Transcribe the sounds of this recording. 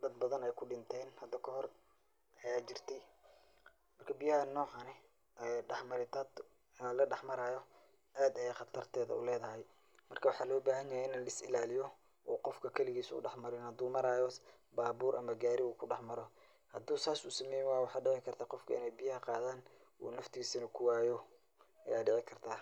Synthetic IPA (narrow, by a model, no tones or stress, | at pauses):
d̪ɐd̪̚bɐðɐnɛjkʰʊɖɪnt̪ʰɛːnhɐd̪ːɐkʰɐhɔr | ʔɐjaːt͡ʃɪrt̪ʰɛj | mɐrkʰɐbɪjɐhɐnːɔːʕɑnɛ | ɛɖɑħmɐɾɪt̪ʰɐd̪ | ɔlɐɖɑħmɐɾaːjɔ | ʔaːd̪ɐjɛjχɑt̪ʰɐrt̪ʰɛːðɐ̰ʊ̰lɛːðɐɦɛj | mɐrkʰɐwɑħɑːlɔːbaːɦɐnjɐjaɪnːlɐsɪ̰laːlɪjɔ | ʔɔːqɔfkʰɐkʰɐlɪɣiːsʊʊ̰ɖɑħmɐɾɪnhɐd̪uːmɐɾaːjɔ | baːβuːɾʔɐmɐɡaːɾɪuːkʰʊɖɑħmɐɾɔ | hɐd̪uːsaːsʊsɐmɛːjwaːjwɑħɑːɖɛʕɪkʰɐrt̪ʰaːqɔfkʰɐɪ̰nɛjbɪjɐhɐqɑːðaːnṵːnɐft̪ʰɪɡiːsɐnɐkʰʊwaːjɔ | ʔɐ̰jaːɖɛʕɪkʰɐrt̪ʰaː